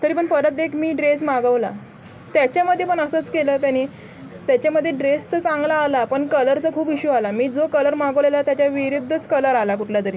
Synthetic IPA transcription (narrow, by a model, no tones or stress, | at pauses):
t̪əɾiːpəɳpəɾət̪̚d̪ekʰmiːɖɾesmaɡəʋla̰ | t̪jat͡ɕjaməd̪ʱːjepəɳəsəːt͡skeləːt̪janiː | t̪jat͡ɕjaməd̪ʱːjeɖɾest̪ət͡sãŋɡlaːlapəɳkələɾt͡səkʰuːpiɕualamiːd͡zokələɾmaɡəʋlelat̪jat͡ɕjaʋiɾud̪ʱːət͡skələɾalakuʈʰlat̪əɾiː